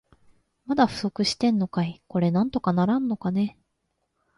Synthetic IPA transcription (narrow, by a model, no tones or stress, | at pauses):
mad̪aɸɯ̟̥so̞kɯ̟ɕi̥t̪ẽ̞nːo̞kaiko̞ɾe̞nãnt̪o̞kanaɾãnːo̞kane̞